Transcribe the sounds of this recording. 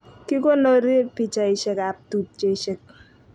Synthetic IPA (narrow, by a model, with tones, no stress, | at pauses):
ki˦ko˦no˦ɾi˦pi˦˨t͡ʃa˨i˨ʃɛ˦ka˨p̚tu˨p̚t͡ʃe˦ʃɛ˦k̚